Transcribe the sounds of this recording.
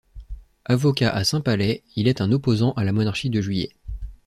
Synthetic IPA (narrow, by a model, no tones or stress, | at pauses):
avɔkʲaʔasɛ̃palɛilɛt̪ɛ̃nɔpozɑ̃ʔalamɔnaʁʃid̪əʒɥijɛ̰